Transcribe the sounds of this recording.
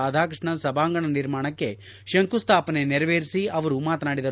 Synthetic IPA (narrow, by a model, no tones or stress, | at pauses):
aːd̪ʱaːkɾɨʂɳɐsɐbʱaːŋɡɐɳɐniɾmaːɳɐkːe̞ | ʃɐŋkust̪ʰaːpɐneniɾɐʋeːɾisiɐʋɐɾumaːt̪naːɽid̪ɐ